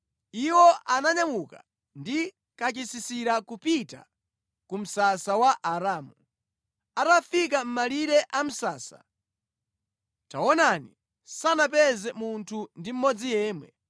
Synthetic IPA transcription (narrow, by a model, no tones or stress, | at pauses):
iwɔʔanaɲamuka̰ | ndi | kat͡ʃisisiɾakupita̰ | kum̩sasawaʔaɾaːmu | atafik̬am̩maliɾɛʔam̩saːsa̰ | ta̰wɔnani | sanapɛzɛmuntʰundim̩mɔd͡zijɛːmwɛ̰